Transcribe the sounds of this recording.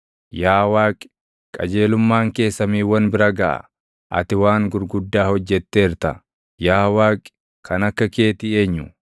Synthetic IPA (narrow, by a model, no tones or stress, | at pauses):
jaːwaːkʼ | kʼɐ̰d͡ʒe̞ːlʊmːaːŋke̞ːsːɐmiːwɐnbɪɾɐɡɐʔɐ̰ | ʔɐ̰t̪ɪwaːŋɡʊɾɡʊd̪ːaːhɔd͡ʒːɛt̪ːeːɪɾt̪ɐ | jaːwaːkʼɪ̥ | kʰɐnɐkːɐkeːt̪ɪeːɲːʊ